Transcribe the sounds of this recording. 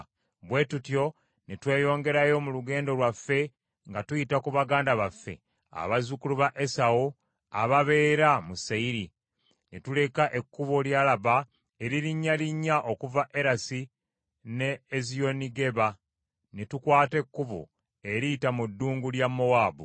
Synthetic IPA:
βwe̞tutjo̞ | netwe̞ːjo̞ːŋɡe̞ɾajo̞muluɡe̞ːndo̞lwafːe̞ | ŋɡatujitakuβaɡaːndaβafːe̞̰ | a̰βazukuluβaʔe̞sawo | a̰βaβe̞ːɾamusaiɾi | netule̞kaʔe̞kːuβoljalaβa | e̞ɾiɾiɲːaliɲːaʔo̞kuvaʔe̞ɾasi | ne̞ːzio̞niɡe̞βa | netukwaːte̞kːuβo̰ | e̞ɾitamudːuːŋɡuljamːo̞waːbu

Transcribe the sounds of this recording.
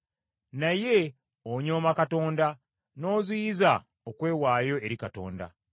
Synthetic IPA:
naje̞ | oɲoːmakato̞ːnda | no̞ːziiza | okwe̞ːwaːjo̞e̞ɾikato̞̰ːnda̰

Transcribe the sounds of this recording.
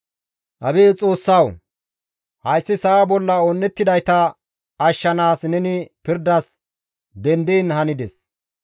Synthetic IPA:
ʔɐbeːt͡sʼo̞ːsːɐw | hɐjsːɪsɐbɔlːɐonːɛt̪ːɪd̪ɐjt̪ɐ | ɐʃːɐnaːsnɛnɪpɪɾd̪ɐs | d̪ɛnd̪iːnhɐnɪd̪ɛs

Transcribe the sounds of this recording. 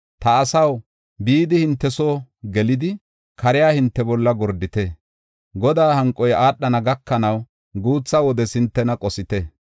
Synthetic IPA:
t̪ɐːsɐw | biːd̪ɪhɪnt̪ːɛsoːɡɛlɪd̪ɪ | kʰɐɾɪjaːhɪnt̪ːɛbɔlːɐɡɔɾd̪ɪt̪ɛ | ɡɔd̪aːhɐŋkʼːɔjaːɗːɐnɐɡɐkːɐnɐw | ɡuːt͡sːɐwɔd̪ɛsɪnt̪ːɛnɐkʼɔsɪt̪ɛ

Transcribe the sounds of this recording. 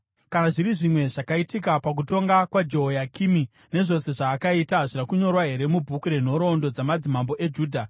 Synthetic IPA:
kanaʐiɾiʐimwe̞ʐakaitikapak̬uto̞ŋɡakwad͡ʒo̞ɦojakimi | neʐo̞se̞ʐaːkaitaʐinakuɲo̞rwaɦe̞ɾe̞mubʱukuɾe̞n̤o̞ɾo̞ndo̞d͡zamad͡zimambo̞ʔe̞d͡ʒuːdʱa

